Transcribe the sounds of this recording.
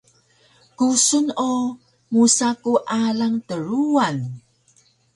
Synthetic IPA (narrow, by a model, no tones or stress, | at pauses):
kusunu | musakuʔalaŋtəɾuan